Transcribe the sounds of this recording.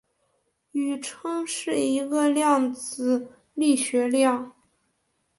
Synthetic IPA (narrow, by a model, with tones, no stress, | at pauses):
y˨˩ʈ͡ʂʰɤ˥ŋʂɻ̩˥˩i˧˥ɡə˧ljɑ˥˩ŋt͡sɹ̩˨˩ | li˥˩ɕɥɛ˧˥ljɑ˥˩ŋ